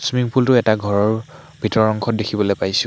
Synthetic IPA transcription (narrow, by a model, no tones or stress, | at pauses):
smiŋpultʊɛtaɡʱɔɹɔɹ | bʱitɔɹɔŋkʰɔt̚dekʰibɔlojpajsʊ̃